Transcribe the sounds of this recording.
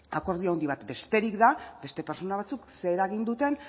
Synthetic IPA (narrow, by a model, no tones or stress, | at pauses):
ako̞ɾðiaond̪iβat̪be̞st̪e̞ɾikðabe̞st̪e̞peɾsonaβ̞at͡sukse̞ɾaɣind̪ut̪e̞n